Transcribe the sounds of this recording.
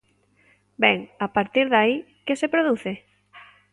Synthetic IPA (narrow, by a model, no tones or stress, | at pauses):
bɛŋapaɾt̪iɾðai | kesepɾoðuθɪ